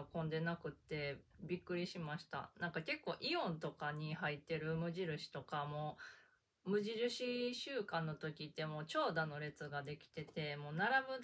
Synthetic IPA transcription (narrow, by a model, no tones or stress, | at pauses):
kõ̞nd̪e̞nakɯ̟t̪ːe̞bʲikːɯ̟ɾʲiɕimaɕi̥t̪a̰nãŋkake̞kːo̞ːʔiõ̞nt̪o̞kaɲ̟ihait̪ːe̞ɾɯ̟mɯ̟ʑiɾɯ̟ɕi̥t̪o̞kamo̞ː | mɯ̟ʑiɾɯ̟ɕiɕɨːkãnːo̞t̪o̞kʲit̪ːe̞mo̞ːt͡ɕo̞ːd̪ano̞ɾe̞t͡sɨɡad̪e̞kʲi̥t̪e̞t̪e̞mo̞ːnaɾabɯ̟